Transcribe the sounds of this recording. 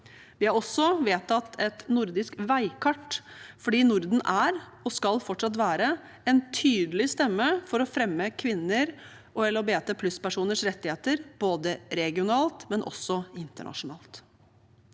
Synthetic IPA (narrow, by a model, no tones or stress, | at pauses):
ʋɪɑɾɔsːɔʋeːt̪ʰɑt̪ʰːɛt̪nʊɾd̪ɪskʋæɪkʰɑʈːfɔɖiːnʊɾd̪n̩ʔæɾɔskɑlfɔʈʂɑt̪ʋæːɾə | ɛnt̪ʰyːd̪əlɪst̪ɛmːəfɔɾɔfɾɛmːəkʰʋɪnːəɾ | ʔɔɛləɾɔbeːt̪əpʰlʉspæʂuːnəʂɾɛt̪ːɪheːt̪əɾb̥oːd̪əɾɛɡɪʊnɑːlt̪mɛnʔɔ̰sɔɪnt̪ə̰ɳɑ̰ʂʊnɑ̰ːlt̪